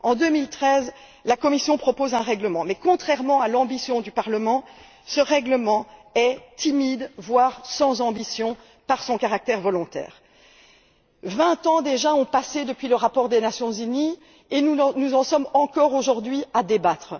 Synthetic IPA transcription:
ɑ̃d̪ømilt̪χɛz | lakɔmisjɔ̃pχɔpozɛ̃ʁɛɡləmɑ̃mɛkɔ̃t̪χɛʁmɑ̃alɑ̃bisjɔ̃d̪ypaʁləmɑ̃ | səʁɛɡləmɑ̃ɛt̪imid̪vwaʁsɑ̃zɑ̃bisjɔ̃ | paʁsɔ̃kaʁak̚t̪ɛʁvɔlɔ̃t̪ɛ̰ːʁ | vɛ̃t̪ɑ̃d̪eʒaɔ̃pased̪əpɥiləʁapɔʁd̪enasjɔ̃zyni | ennuzɑ̃sɔmɑ̃kɔʁoʒuʁd̪ɥiad̪ebat̪χ

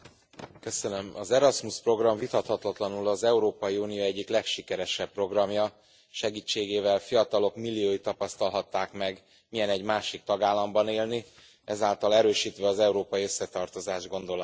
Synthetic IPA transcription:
kø̞sø̞nø̞mɒzɛɾɒsmuspro̞ɡrɒɱvit̪ɒt̪hɒt̪lɒt̪lɒnulɒzɛuɾoːpɒjiuːnijoːɛɟːiklɛkʃikɛɾɛʃɛppro̞ɡrɒmjɒ | ʃɛɡiːt͡ʃːeːɡeːvɛlfijɒt̪ɒlo̞kmilːijoːjit̪ːɒpɒst̪ɒlɦɒt̪ːaːkmɛɡ | mijɛnɛɟmaːʃik̚t̪ɒɡaːlːɒmbɒneːlni | ɛzaːlt̪ɒlɛɾøːʃiːt̪ʋɛɒzɛuɾoːpɒjiø̞sːɛt̪ɒrt̪o̞zaːʒɡo̞nd̪o̞l

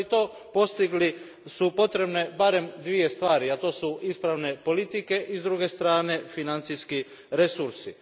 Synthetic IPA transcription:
it̪o̞ː | po̞st̪iɡli | supo̞t̪ɾe̞bne̞baɾe̞md̪ʋije̞st̪ʋaːɾiat̪o̞ːsuispɾaʋne̞po̞lit̪ike̞ʔizd̪ɾuɡe̞st̪ɾaːne̞finant̪sijski | ɾe̞suɾsi

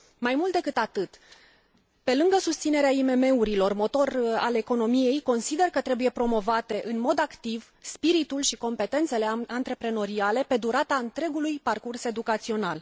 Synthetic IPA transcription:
majmult̪̚d̪e̞kɨt̪at̪ɨt̪ | pe̞lɨŋɡəsust̪sine̞ɾeaime̞me̞uɾilo̞rmo̞t̪o̞ra̰le̞ko̞no̞mije̞jko̞nsid̪e̞rkət̪ɾe̞buje̞pɾo̞mo̞vat̪e̞ʔɨnmo̞d̪akt̪iv | spiɾit̪ulʃiko̞mpe̞t̪e̞nt̪se̞le̞ant̪ɾe̞pɾe̞no̞ɾiale̞pe̞d̪uɾat̪aɨnt̪ɾe̞ɡulujparkurse̞d̪ukat̪sio̞nal

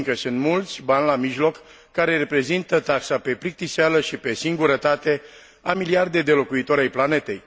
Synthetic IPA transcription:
ŋkəsɨnt̪mult̪sʲbanʲlamiʒlo̞kː | aɾe̞re̞pɾe̞zint̪ət̪aksape̞pɾik̚t̪isealəʃipe̞siŋɡuɾət̪at̪e̞ | amiliard̪e̞d̪e̞lo̞kuit̪o̞ɾajplane̞t̪e̞j

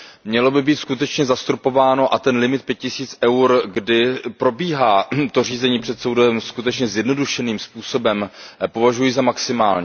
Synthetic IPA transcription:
mɲɛlo̞bɪbiːt̪skut̪ɛt͡ʃɲɛzast̪ɾupo̞vaːno̞ʔat̪ɛnlɪmɪt̪̚pjɛt̪cɪsiːt͡sʔɛwɾɡdɪpɾo̞biːɦaːt̪o̞r̝iːzɛɲiːpr̥ɛt̪sowdɛɛmskut̪ɛt͡ʃɲɛzjɛdno̞duʃɛniːmspuːso̞bɛmpo̞vaʒujizamaksɪmaːlɲɛ

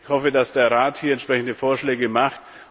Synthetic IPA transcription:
çhɔfədasd̥eːɐʁaːthiːɐɛnʃpʁ̥ɛçn̩dəfoːɐʃlɛːɡəmaχt

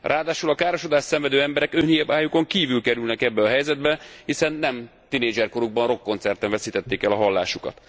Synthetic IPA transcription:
rʔaːd̪aːʃulɒkaːɾo̞ʃod̪aːʃsɛɱvɛd̪øːɛmbɛɾɛkøːnijɛbaːjuko̞ŋkiːvylkɛɾylnɛkɛbːɛɒɦɛjzɛd̪bɛhisɛnːɛm | t̪ineːd͡ʒɛrko̞ɾuɡ̚bɒnro̞kːo̞nt̪sɛrt̪ɛɱvɛsiːt̪ɛt̪ːeːkɛlɒɦɒlːa̰ːʃukɒ̰t̪

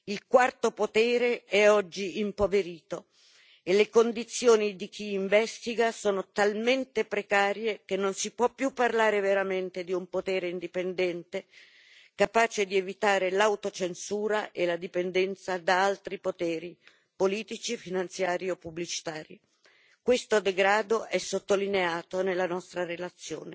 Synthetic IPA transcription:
ilkwart̪opot̪ɛːɾeɛɔd͡ʒːiimpoveɾiːt̪o | elekond̪it̪sːjoːnid̪ik̟iːɱvɛst̪iɡasoːnot̪alment̪epɾekaːɾjekenːonsipwɔpːjupːarlaːɾeveɾament̪ed̪iumpot̪ɛːɾeind̪ipend̪ɛnt̪e | kapaːt͡ʃed̪ievit̪aːɾelawt̪ot͡ʃensuːɾaʔelad̪ipend̪ɛnt̪sad̪aalt̪ɾipot̪ɛːɾi | poliːt̪it͡ʃifinant̪sjaːɾiɔpːublit͡ʃi̥t̪aːɾi | kwest̪od̪eɡɾaːd̪oʔɛsːot̪ːolineaːt̪onelːanɔst̪ɾaɾelat̪sːjo̰ːne

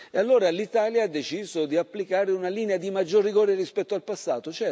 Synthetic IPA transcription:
ealːoːɾalit̪aːljaad̪ːet͡ʃiːzod̪iapːlikaːɾeunaliːnead̪imad͡ʒːorːiɡoːɾerispɛt̪ːoalpasːaːt̪ot͡ʃɛ

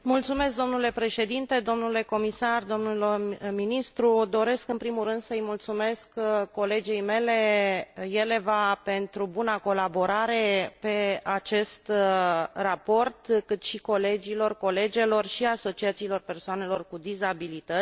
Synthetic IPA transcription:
mult̪sume̞s̬k̚d̪o̞mnule̞pɾe̞ʃe̞d̪int̪e̞d̪o̞mnule̞ko̞misard̪o̞mnulminist̪ɾud̪o̞ɾe̞skɨnpɾimuɾɨnd̪səɨjmult̪sume̞skkːo̞le̞d͡ʒejme̞le̞je̞le̞vape̞nt̪ɾubunako̞labo̞ɾaɾe̞pe̞at͡ʃe̞st̪ | rapo̞rt̪kɨt̪ʃiko̞le̞d͡ʒilo̞rko̞le̞d͡ʒe̞lo̞rʃiaso̞t͡ʃiat̪siːlo̞rpe̞rsoane̞lo̞rkud̪izabilit̪ə

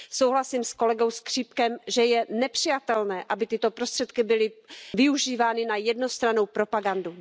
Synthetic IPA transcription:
so̞wɦlasiːmsko̞lɛɡo̞wskr̝̥iːpkɛmʒɛjɛnɛpr̝̥ɪjat̪ɛlnɛːʔabɪt̪ɪt̪o̞pɾo̞st̪r̥ɛt̪kɪbɪlɪvɪuʒiːvaːnɪnajɛdno̞st̪ɾano̞wpɾo̞paɡandu

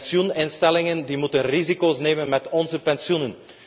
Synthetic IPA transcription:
sjunɪnstɛlɪŋəndimutənrizikoːsneːmənmɛtɔnzəpɛnsjunən

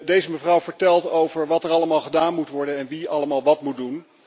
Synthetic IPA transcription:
dejzəməvrʌwvəɹtɛlˠtowvəɹʋɑtəɹɑləmaːlˠχədaːnmutʋɔɹdənɛnʋiɑləmaːlˠʋɑtmut̚dun

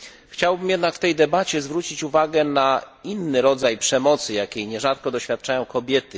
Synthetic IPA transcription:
xt͡ɕawbɘmjɛd̪nakft̪ɛjd̪ɛbat͡ɕɛzvɾut͡ɕit͡ɕuvaɡɛnainːɘɾɔd̪zajpʂɛmɔt̪sɘjakʲejɲɛʐat̪̚kɔd̪ɔɕfʲjat̪̚t͡ʂajɔ̃w̃kɔbʲjɛt̪ɘ

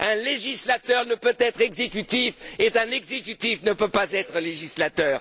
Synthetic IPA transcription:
ɛ̃leʒislat̪œʁnəpøt̪ɛt̪χɛɡzekʲyt̪ifet̪ɛ̃nɛɡzekʲyt̪ifnəpøpazɛt̪χəleʒislat̪œːʁ

